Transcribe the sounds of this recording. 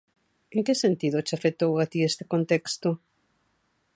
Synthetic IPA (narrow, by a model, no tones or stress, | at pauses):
eŋkesent̪iðot͡ʃafet̪owat̪iest̪e̥kont̪ekst̪o